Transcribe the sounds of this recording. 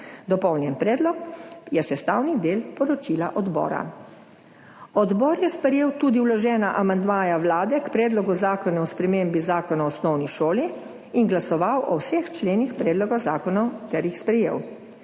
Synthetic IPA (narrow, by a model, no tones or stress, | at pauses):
d̪ɔpɔwnjɛnpɾɛːd̪lɔkjɛsɛst̪awnid̪eːlpɔɾɔt͡ʃilaʔɔd̪bɔ̰ːɾa̰ | ɔd̪bɔɾjɛspɾɛjeːwt̪uːd̪iwlɔʒɛːnaʔamand̪maːjawlaːd̪ɛkpɾɛːd̪lɔɡuzaːkɔnɛɔspɾɛmembizaːkɔnaɔsnɔwniʃoːliː | nɡlasɔʋawʔɔwsext͡ʃleːnixpɾɛːd̪lɔɡozaːkɔnɔwt̪ɛɾjixspɾɛjḛːw